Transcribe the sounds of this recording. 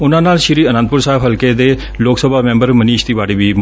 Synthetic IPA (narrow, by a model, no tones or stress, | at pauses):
ʊnãːnaːlʃɪɾiːənə̃nd̪̚pʊɾsaːɦɪbɦəlkeːd̪eː | loːksəbʱaːmɛ̃ːmbəɾməniːʃt̪iːʋaːɽeːʋiːm